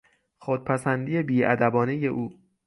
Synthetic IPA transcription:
xod̪̥̚pʰæsænd̪iːje̞biːʔæd̪æbɒːneje̞ʔuː

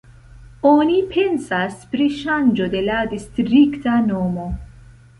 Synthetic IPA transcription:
onipʰensaspɾiʃand͡ʒod̪elad̪istɾiktanomo

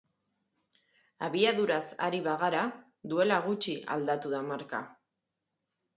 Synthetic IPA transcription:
aβiaðuɾasa̰ɾiβaɣaɾa | ðue̞laɣut͡ʃia̰ld̪at̪uðamaɾka̰

